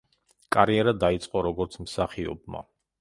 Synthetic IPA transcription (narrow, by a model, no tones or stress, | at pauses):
kʼaɾiɛɾad̪ait̪sʼqʼɔɾɔɡɔɾt̪sʰmsaχiɔ̰bma̰